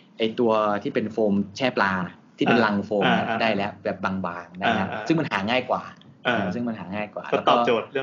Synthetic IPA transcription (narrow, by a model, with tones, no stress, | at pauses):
ʔa˧jt̪u˧ɐt̪ʰiː˥˩pe˧nfoː˧mt͡ɕʰɛː˥˩plaː˧t̪ʰiː˥˩pe˧nla˧ŋfoː˧mn˧˩a˥˩daː˥˩jlɛ˦˥ʔbɛː˨˩p̚baː˧ŋbaː˧ŋda˥˩˧kʰa˦˥sɯ˥˩ŋma˧nhaː˩˦ŋaː˥˩jkwaː˨˩ | ʔɤː˨˧˩sɯ˥˩ŋma˧nɦaː˩˦ŋaː˥˩jkwa̰ː˨˩lɛː˧˦˥ɔː˨˥˩t͡ɕoː˨˩t̪̚